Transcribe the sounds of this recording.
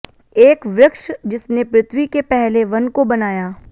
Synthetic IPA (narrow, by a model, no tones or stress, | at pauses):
eːkʋɾɪkʃd͡ʒɪsnepɾɪt̪ʰwikepɛɦleʋɐnkobɐnaːjaː